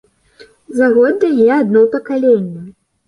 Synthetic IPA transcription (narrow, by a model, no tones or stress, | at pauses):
zaɣɔd̪ːɐjɛad̪nɔwpɐkalʲenʲːɐ